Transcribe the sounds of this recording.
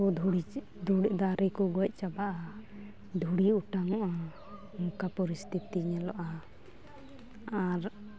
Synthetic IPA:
ɔd̪ʱuɽi | d̪uɽd̪aɾikɔɡɔc̚ˀt͡ʃabaʔa | d̪ʱuɽiuʈaŋɔʔa | mukapɔɾist̪ʰit̪iɲɛlɔʔa | aɾ

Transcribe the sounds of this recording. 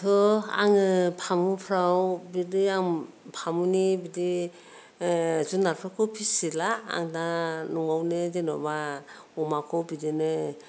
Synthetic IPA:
tʰɔa̰ŋɯpʰamupʰɾawbidiaŋ | pʰamunibidi | zunːaɾpʰɾakʰɔpʰisilaa̰ŋdanɔŋawnɯdenɔ̰ba | ɔmakʰɔbidenɯ

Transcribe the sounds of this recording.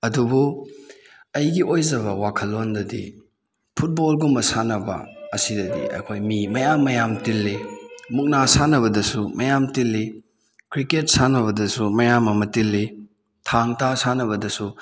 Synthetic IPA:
ɐdubu | ɐjɡiʔojzɐβɐwakʰɐlːondɐdḭ | pʰut̚bolɡumːɐsanɐbɐ̰ːsidɐdḭɐ̰jkʰojmimɐjamːɐjamtilːimuk̚nasanɐβɐdɐsumɐjamtilːi | kɾiket̚sanɐβɐdɐsumɐjamːɐmɐtilːi | tʰaŋtasanɐβɐdɐsu

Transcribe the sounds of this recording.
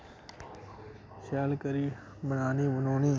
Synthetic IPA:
ʃaːlkəɾiː | bənaːniːʋʊnoːnĩː

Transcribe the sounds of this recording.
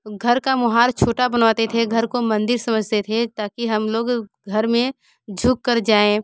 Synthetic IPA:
ɡʱɐɾkamʊɦaːɾt͡ʃʰoːʈabənʋaːt̪et̪ʰeɡʱɐɾkomɐ̃nd̪ɪɾsɐməd͡ʒʱt̪et̪ʰet̪aːkiɦɐmloːɡ | ɡʱɐɾmẽ | d͡ʒʱʊkːəɾd͡ʒaːẽ

